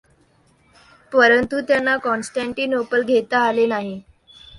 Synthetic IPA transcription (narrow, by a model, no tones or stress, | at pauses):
pəɾənt̪ut̪janːakɔnsʈaɳʈiːnopəlɡʱet̪aːlenaɦi